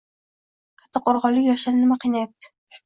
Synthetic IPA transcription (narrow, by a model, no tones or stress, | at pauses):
kʲʰḁt̪ʰːaqoɾʁɒlːɪkʲjɒʃaɾnɪmaqʰijnajap̚t̪ɪ̥